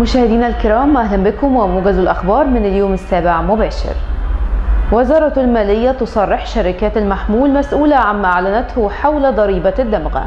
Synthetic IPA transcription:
mʊʃæːhɪd̪iːnalkɪɾˤɑːmʔæhlæmbɪkʊmwɪmuːɡæzalʔaxbɑːɾˤmɪnɪljoːmɪsːæːbɪʕamʊbæːʃɪ̰ɾ | wɪzɑːɾˤɑtalmæːlɪjːæt̪osˤɑrˤːɪħʃaɾɪkæːt̪almaħmuːlmæsʔuːlaʕamːæːʔaʕlænæt̪hʊħawlad̪ˤɑɾiːbad̪ːamɣa̰

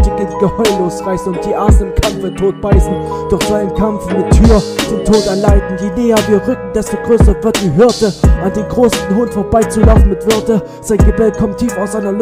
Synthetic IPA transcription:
tɪd̥ɪnɡ̥əhɔʏloːsʁaɪsn̩ʊnt̚d̥iːʔaːzn̩ɪmkʰɛmfətʰoːt̚b̥aɪsn̩ | d̥ʊɐçz̥aɪnənkʰamfmɪtʰːyːɐd̥eːntʰoːtɛɐlaɪtn̩d̥iːnɛːɐviːɐʁʏkŋ̩dɛstoːɡʁøːsɐvɪɐt̚d̥iːɦʏɐtəʔandeːnɡʁoːsnhʊntfoːɐbaɪt͡sulaʊfn̩mɪtv̥ʏɐtə | z̥aɪnɡəbɛlkʰɔmtʰiːfaʊsʔaɪnɐl

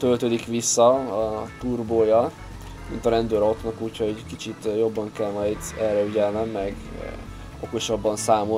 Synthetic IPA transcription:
t̪ølt̪øːd̪ikʋisːɒɒt̪urboːjɒ | mint̪ɒɾɛnd̪øːɾo̞t̪nɒkuːchokit͡ʃit̪jo̞bːɒŋkɛlmɒjd̪ɛlːɛyɟɛlnɛmːɛɡ | oko̞ʃɒbːɒnsaːmo

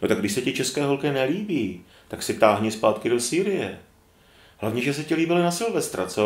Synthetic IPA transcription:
not̪aɡdɪʃsɛcɪt͡ʃɛskɛːɦo̞lkɛnɛliːbiː | t̪aksɪt̪aːɦɲɛspaːt̪kɪdo̞siːɾɪjɛ̰ | hlavɲɛʒɛs̬ɛcɪliːbɪlɪnasɪlvɛst̪ɾa̰t͡so

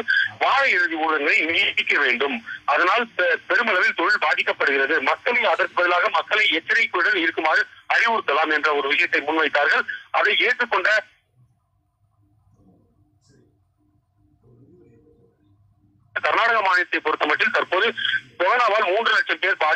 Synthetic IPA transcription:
ʋaːɻɐɪɾɯðiuːðɐŋɡɐɭɐɪnɪjʈɪkːɐʋeːɳɖɯmʔɐðɐnaːlpɛɾɯmɐlɐʋɪlt̪ɔɻɪlbaːðɪkːɐpːɐɽɯɣɪrɐðɯmɐkːɐɭɐɪɐðɐɾkɯbɐðɪlaːɣɐmɐkːɐɭɐɪɛt͡ʃːɐɾɐɪkːɯɽɐlɪɾɯkːɯmaːɾɯɐɾɪʋɯɾɯt̪ːɐlaːmɛndrɐɔɾɯʋɪʂɐjɐt̪ːɐɪmʊnʋɐɪt̪ːaːɾɣɐɭɐ̰ðɐɪeːʈrɯkːɔɳɖrɐ | kɐɾnaːɽɐɣɐmaːnɪɐt̪ːɐɪpɔɾɯt̪ːɐmɐʈːɪlt̪ɐɾpoːðɯsɔɣɐnaːʋaːlmuːndrɯnɐʈt͡ʃːɐmpeːɾbaː

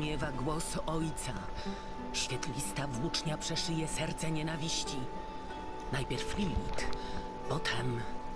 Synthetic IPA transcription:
ɲɛvaɡwɔsɔjt̪sa | ɕfʲjɛt̪lʲist̪avwut͡ʂɲapʂɛʂɘjɛsɛɾt̪sɛɲɛnavʲiɕt͡ɕi | najpʲjɛɾflʲilʲit̪ | pɔt̪ʰɛm

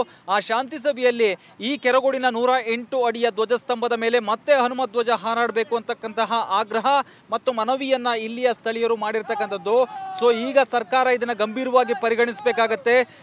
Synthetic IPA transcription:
aːʃaːnt̪is̬ɐbʱɛjɐlːi | iːkɛɾɐɡo̞ɽinɐnuːɾɐeɳʈuɐɽijɐd̪ʋɐd͡ʒɐst̪ɐmbɐd̪ɐme̞ːle̞mɐt̪ːe̞ɦɐnumɐt̪̚d̪ʋɐd͡ʒɐɦaːɾaːɽbe̞ːkuɐnt̪ɐkːɐnt̪ɐɦɐʔaːɡɾɐɦɐ | mɐt̪ːumɐnɐʋijɐnːɐilːijɐst̪ʰɐɭijɐɾumaːɽiɾt̪ɐkːɐnt̪ʰɐd̪ːuso̞ːiːɡɐsɐɾkaːɾɐid̪ɐnːɐɡɐmbʱiːɾɐʋaːɡipɐɾiɡɐɳisbeːkaːɡɐt̪ːe̞

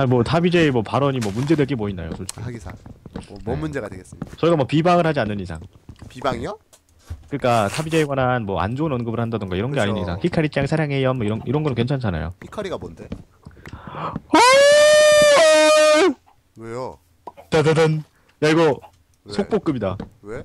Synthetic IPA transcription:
amwʌtʰabid͡ʑeemʌpaɾʌɲimwʌmund͡ʑe̞dweɡemoina̰jo̰sʰoɭsaɡisʰa | mund͡ʑeɡadeɡes͈idat͡ɕʌiɡamapibaŋɯɭhad͡ʑianːɯnisʰa̰ŋ | pibaŋjo | kɯɲik͈atʰabid͡ʑeeɡwananmwʌa̰nd͡ʑounʌnɡɯbɯɭhandadɯŋɡaiɾʌnɡe̞aɲinɯnisʰaŋçikʰaɾit͡ɕ͈aɡisʰaɾjaŋɦejʌnmʌiɾʌniɾʌnɡʌnɯnkwe̞nt͡ɕʰant͡ɕʰana̰jo̰hikʰaɾiɡabonde | a | ejo | tadadɯn | jaɭɡo | sʰok̚p͈ok̚k͈ɯbidawe

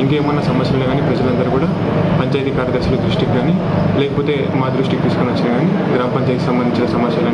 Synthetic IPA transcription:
iŋkeːmɐnːɐsɐmɐsjɐmleɡaːnipɾɐd͡ʒɐlɐnd̪ɐɾukuːɽaː | pɐɲt͡ʃaːjit̪ikaːɾjɐd̪ɐɾʃɐlud̪ɾuʂʈikiɡaːni | lɛːkɐpoːt̪e̞ːmaːd̪ɾuʂʈikit̪iːsukonʋɐt͡ʃːinɐɡaːni | ɡɾaːmɐpɐɲt͡ʃaːjt̪iksɐmbɐnd̪iɲt͡ʃinɐsɐmɐt̪jɐlː

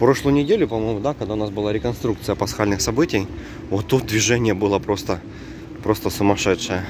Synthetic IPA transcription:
pɾo̞ʂlˠəjʊnʲɪdʲelʲʊpɐmojmʊd̪akɐɡd̪aʊnasbɨlˠaɾʲɪkɐnst̪ɾukt̪sɨjəpɐsxalʲnɨxsɐbɨtʲɪj | vot̪ːut̪̚d̪vʲɪʐɛnʲɪjəbɨlˠəpɾo̞st̪ə | pɾo̞st̪əsʊmɐʂɛt̪ʂɨjə

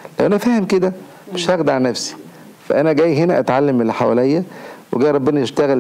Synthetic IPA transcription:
læwʔænæfæːhemked̪æ | meʃhæɣd̪aʕnæfsi̥ | fæʔænæɡæːjɦenæʔæt̪ʕalːemːelːħawæ̰lejːæweɡæːjɾˤɑbːenæeʃt̪æɣæl

